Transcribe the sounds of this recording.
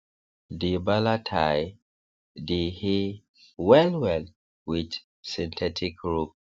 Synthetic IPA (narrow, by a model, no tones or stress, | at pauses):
dibalatʰaj | dihi | wɛlwɛl | wid | sĩntʰɛtʰikɹup̚